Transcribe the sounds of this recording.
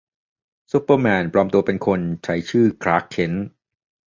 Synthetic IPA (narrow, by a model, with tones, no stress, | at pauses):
su˦˥pːəː˧mɛː˧npɾɔː˧mt̪u˧ɐpe˧nkʰo˧nt͡ɕʰa˦˥jt͡ɕʰɯː˥˩kʰɾaː˦˥kʰːe˦˥n